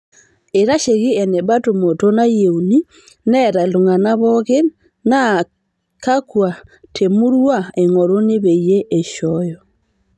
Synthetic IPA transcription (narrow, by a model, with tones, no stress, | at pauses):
e˨ɾa˦ʃe˨ɣi˦ɛ˨nɛ˨βa˦to˨mo˨to˦na˦je˨u˨ni˦ | nɛ˦ɾa˨lo˨ŋa˨na˦βɔ˦ɣe˦ | na˦ | ka˦kwa˨tʰe˨mu˦ɾwa˦˨e˨ŋɔ˨ɾo˦ne˦βe˨je˦ʔe˨ʃɔjɔ˨